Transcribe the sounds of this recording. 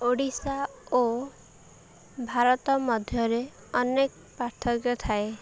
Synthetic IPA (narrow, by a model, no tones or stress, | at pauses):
oɽisao | bʱaɾɔt̪ɔmɔd̪ʱjɔɾe | ɔnek | paɾt̪ʰɔkjɔt̪ʰae